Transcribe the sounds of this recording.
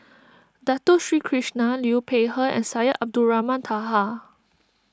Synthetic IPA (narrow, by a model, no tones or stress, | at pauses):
dat̪oʃɹiːkʰɹiʃnaljupʰeɦəɛ̰̃nsajəʔab̚duɹamãnt̪ʰaɦa